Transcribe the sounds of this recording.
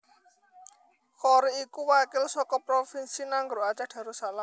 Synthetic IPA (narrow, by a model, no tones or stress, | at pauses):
kɔɾiikuwakɪlsɔkɔpɾofinsinaŋɡɾoat͡ʃaɖ̥ä̤ɾosalam